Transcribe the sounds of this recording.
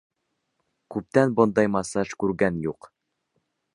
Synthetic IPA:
kʉp̚t̪ænbond̪ɑjmɑsɑʃkʉɾɡænjuq

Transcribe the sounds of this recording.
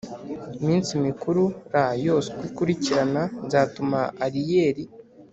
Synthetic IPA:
imiːnsimikuɾuɾajo̞sekwikuɾiciɾananzaːtumaaɾijeːɾi

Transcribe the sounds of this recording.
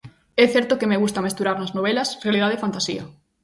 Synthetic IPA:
ɛθɛɾt̪okemeɣust̪ɐmest̪uɾaɾnɐznoβ̞ɛlɐsrealiðaðefant̪asḭɐ̰

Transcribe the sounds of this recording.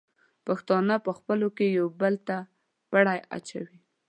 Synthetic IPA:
paxt̪ɑnəpəxpəlokejawbəlt̪a | paɽaja̰t͡ʃa̰wi

